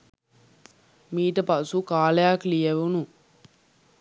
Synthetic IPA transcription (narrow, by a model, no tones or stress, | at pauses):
miːʈəpasukaːlɐjaklijɐʋunu